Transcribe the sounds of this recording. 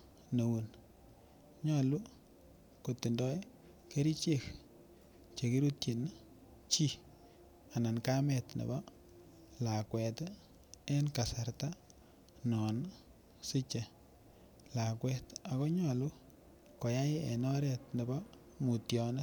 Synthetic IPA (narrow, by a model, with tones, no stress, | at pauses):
no˨wu˨n | ɲɔ˦lu˦ | ko˨ti˨ndɔ˦j | ke˦ɾi˦t͡ʃe˦k | t͡ʃe˨ki˦ɾu˦tji˨n | t͡ʃi˦ | a˨na˨nka˦mɛ˨tnḛ˨bɔ˦ | la˨kwɛ˨t | e˦nka˨sa˨ɾta˦ | nɔ˨n | sɪ˦t͡ʃe˨ | la˨kwɛ˦ta˨kɔ˦ɲɔ˦˨lu˦ | ko˨ja˦ḛ˨nɔ˦ɾɛ˦tne˨bɔ˦ | mu˨tjɔ˨ne˦